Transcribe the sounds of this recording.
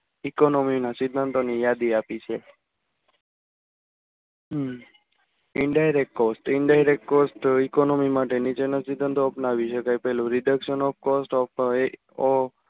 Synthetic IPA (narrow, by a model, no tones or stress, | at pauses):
ikonominasɪd̪ʱːənt̪onijad̪iapit͡ʃʰe | ɪɳɖajɾekʈ̚kɔsʈɪɳɖajɾek̚ʈ̚kosʈikonomimaʈenit͡ʃenəsid̪ʱːə̃nt̪oːpnaʋiʃəkajpɛɦlũɾɪɖəkʃənɔfkɔsʈɔf